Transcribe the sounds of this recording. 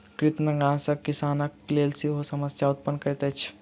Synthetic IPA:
kɾit̪nəɡãsəkːisanəklelsiɦosəməsjaut̪̚pənkəɾɛt̪ɛt͡ʃʰ

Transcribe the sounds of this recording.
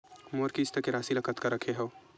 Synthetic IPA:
moːɾkist̪əkeɾaːsilɐkʰət̪kɐɾəkʰeɦɛː

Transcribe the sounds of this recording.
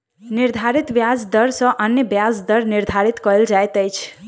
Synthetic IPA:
niɾd̪ʱaɾit̪bjad͡ʒd̪əɾsə̃ʔənjəbjad͡zd̪əɾniɾd̪ʱaɾit̪kəld͡ʒajt̪əjt͡ʃʰ

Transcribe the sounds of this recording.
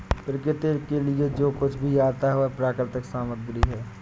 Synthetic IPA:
pɾɪkɪt̪eːkelied͡ʒoːkʊt͡ʃʰbʱijaːt̪aɦɛopɾaːkɪɾt̪ɪksaːmət̪̚ɡʊɾiɦɛː

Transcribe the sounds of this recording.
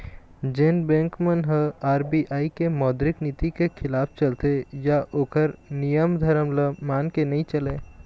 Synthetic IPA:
d͡ʒeːnbẽːŋkmənɦəaːɾbiʔaːikemɔːd̪ɾɪknit̪ikekʰɪlaːpʰt͡ʃəlt̪ejaʔoːkəɾnijəmd̪ʱəɾəmləmaːnkenəĩt͡ʃəleː

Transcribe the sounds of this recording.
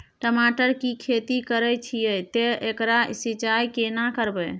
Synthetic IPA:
ʈəmaʈəɾkikʰet̪ikəɾɛt͡ʃʰijəjt̪eekɾaḭsit͡ʃajkenakəɾbɛ

